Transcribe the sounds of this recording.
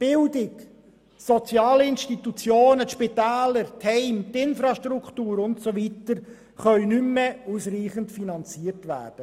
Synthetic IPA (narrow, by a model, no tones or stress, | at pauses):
b̥ɪldɪk | sɔt͡sjɑːləɪnʃtitut͡sjoːnət̪ʃpitæːləɾthɛɪmt̪ɪnfɾɑʃtɾukχtuːɾʊntsovitəɾ | χœʏnymːeusriːχəntfinɑnt͡siːərtʋæ̰ːrd̥ə